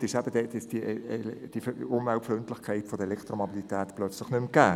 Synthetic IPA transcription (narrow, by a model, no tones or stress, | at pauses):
tɪʃæb̥əd̥ɛtɪsd̥iʔd̥iʊmvɛlpflʏntlɪχkʰaɪtfɔd̥əɛlɛkʰt̪romobilitɛːtplœt͡slɪχnʏmɡ̥æː